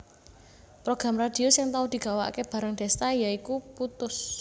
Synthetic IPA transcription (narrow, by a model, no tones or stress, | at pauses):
pɾoɡ̥ɾamrad̪̥i̤osɪŋt̪aʊd̪̥i̤ɡ̥a̤wa̰keb̥ä̤ɾaŋɖ̥e̤st̪ajaikuput̪ʊs